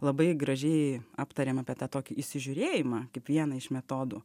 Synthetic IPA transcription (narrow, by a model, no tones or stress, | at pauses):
lˠɐbɐɪɡɾɐʒʲɛɪɑːpt̪ɐɾʲeːmɑːpʲiɛt̪ɑːt̪oːkʲɪɪʃʲsʲɪʒʲʊɾʲeːjɪmɑːkɐɪpʋʲiɛnɐɪʃmʲɛt̪oːd̪ʊː